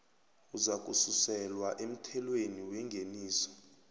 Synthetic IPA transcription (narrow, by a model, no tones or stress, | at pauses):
uzak̬ʼususɛlwaʔem̩tʰɛlweniwɛŋɡʱeniːsɔ̥